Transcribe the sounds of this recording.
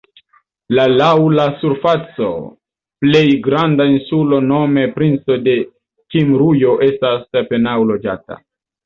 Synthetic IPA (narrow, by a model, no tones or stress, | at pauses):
lalawlasuɾfat͡so̞̰ | ple̞jɡɾandainsulo̞no̞me̞pɾint͡so̞de̞ | kimɾujo̞ʔe̞stasape̞nawlo̞d͡ʒa̰ta̰